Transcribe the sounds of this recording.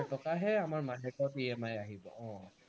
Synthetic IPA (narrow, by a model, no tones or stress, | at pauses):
tɔkaɦɛamaɹmaɦɛkɔpiɛmajaɦibɔ̰ʔɔ̃